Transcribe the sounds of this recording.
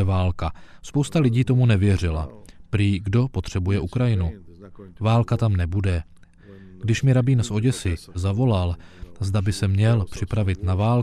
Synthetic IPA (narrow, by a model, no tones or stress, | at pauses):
ɛvaːlkaspo̞wst̪alɪɟiːt̪o̞munɛvjɛr̝ɪla̰pɾiːɡdo̞po̞t̪r̝̥ɛbujɛʔukɾajɪnu | vaːlkat̪amnɛbudɛ | ɡdɪʃmɪɾabiːnsʔo̞ɟɛsɪzavo̞lalzdabɪsɛmɲɛlpr̝̥ɪpɾavɪt̪navaːl